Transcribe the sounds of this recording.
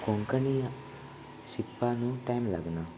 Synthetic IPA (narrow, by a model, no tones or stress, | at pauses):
koŋkɐni | sipːaːnuʈɐjmla̰ɡɐna